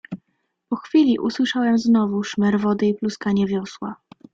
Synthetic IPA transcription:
pɔxfʲilʲiʔuswɘʂawɛmznɔvuʂmɛɾvɔd̪ɘipluskaɲɛvʲjɔswa̰

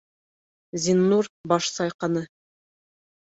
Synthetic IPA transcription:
zʲinːuɾbɑʃsɑjqɑnɤ

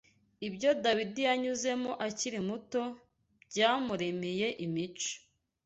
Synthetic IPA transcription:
ibɟo̞dawidijaɲuze̞moʔaciɾimuto̞ | bɟaːmuɾe̞meje̞ʔimit͡ʃo̥

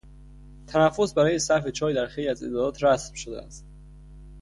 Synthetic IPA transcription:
t̪ʰænæfːo̞sbæɾɒːjesæɾfe̞t͡ʃʰɒːjd̪æɾxe̞jliæze̞d̪ɒːɾɒːt̪ʰɾæsmʃod̪eæ̰st̪

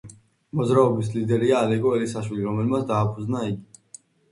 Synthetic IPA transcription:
mɔzɾaɔbis̬lid̪ɛɾiaːlɛɡɔɛlisaʃwiliɾɔmɛlmat̪d̪aːpʰud̪znaiɡi

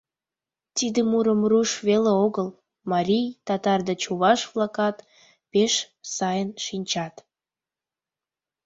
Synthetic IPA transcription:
t̪id̪əmuɾəmruʃβeleoɣəl | mɑɾʲijt̪ɑt̪ɑrd̪et͡ɕuβɑʃvlɑkɑt̪ | peʃ | sɑjənʃinʲt͡ɕɑt̪

